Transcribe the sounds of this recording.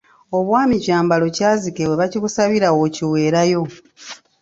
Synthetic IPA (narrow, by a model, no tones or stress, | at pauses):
o̞βwaːmicaːmbalo̞caːzikeweβaciβusaβiɾawo̞ciwe̞ːɾajo̞